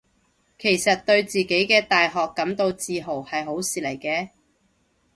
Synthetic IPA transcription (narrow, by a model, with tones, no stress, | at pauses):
kʰe˨˩jsɐ˨t̚t̪ɵ˧ɥt͡siː˨ke˨˥jkɛː˧t̪aː˨jɦɔː˨kːɐ˨˥mt̪o˧wt͡siː˧ɦo˨˩whɐ˨jɦo˨˥wsiː˨lɐ˨˩jkɛː˧